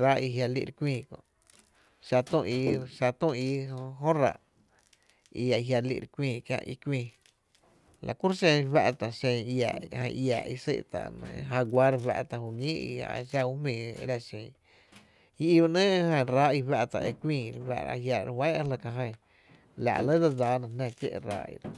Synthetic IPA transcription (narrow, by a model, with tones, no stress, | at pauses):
ɾa˦i˧ɦja˧lḭ˧ʔɾkʷĩː˧˨kõ̰˧˨ʔ | ʃa˧t̪ũ˦˧˨ʔi˧ʃa˧t̪ũ˦˨i˧˦˧ɦõ˦ɾa̰˨ʔ | ḭ˧a˨˧ɦja˧lḭ˧ʔɾkʷĩː˧kjã̰˧ʔḭ˧kʷĩː˧˨ | lʔa̰˨ku˦ɾʃẽ˧βa˧ʔt̪a˨ʃẽ˧ja˨hə̰̃˧˨ja˨ʔḭ˧sḛ˦ʔt̪a̰˨ʔñ̰˧ɦã˧ɡʷa˦ɾwa̰˧ʔt̪a˧˨hu˧ɲĩː˦ḭ˧a̰˨ʃa˧u˦mĩ˧˨ḛ˧˦ɾa˧ʃẽ˧ŋ | i˧i˧ba˧nə̃ː˦˧hə̃˧˨ɾa˦i˧wa˧ʔt̪a̰˧ʔe˧kʷĩː˧˨˧ɾwa̰˧ʔa̰˧hja˧ɾwã˦˧la˧ka˧ɦə̃˧˨ | la̰˨ʔlə˦d̪a˧d͡zaː˨˧nã˧nã˧kḛ˦ʔɾa̰˧˦ḭ˧